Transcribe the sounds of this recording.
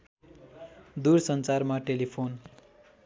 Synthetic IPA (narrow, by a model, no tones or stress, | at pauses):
d̪uɾsʌnt͡sarmaʈelipʰon